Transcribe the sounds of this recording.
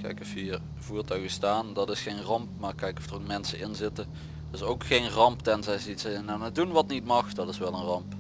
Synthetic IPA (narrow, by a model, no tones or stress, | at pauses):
kʰɛ̰jkəfiːr | vuːɹtœɥɣəstaːndɑtɪsxejnrɑmpmaːrkɛjkɔfd̥rokmɛnsəɪnzɪtə | tɪsowkxejnrɑmptɛnzɛjsitsɛnanədunʋɑtnitmɑxdɑtɪsʋɛlˠənrɑmp